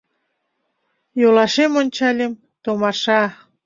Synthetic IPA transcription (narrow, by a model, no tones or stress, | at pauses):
jolɑʃemonʲt͡ɕɑlʲem | t̪omɑʃɑ